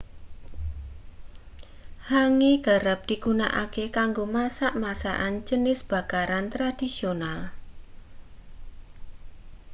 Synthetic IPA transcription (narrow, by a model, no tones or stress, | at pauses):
haŋeɡ̥a̤ɾap̚d̪̥i̤ɡuna̰ʔa̰kekaŋɡomasaʔmasa̰ʔand͡ʒənɪsb̥a̤kaɾant̪ɾad̪̥isional